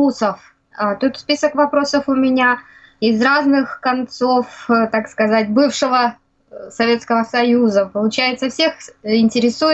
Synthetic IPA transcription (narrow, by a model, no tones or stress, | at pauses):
usəf | at̪ut̪spʲisəkvɐpɾo̞səfʊmʲɪnʲa | ɪzraznɨxkɐnt̪so̞ft̪akskɐzatʲbɨfʂɨvə | sɐvʲe̞t̪skəvəsɐjuzəpəlˠʊt͡ɕæjɪt̪səfsʲexɪnʲtʲɪɾʲɪsuɪ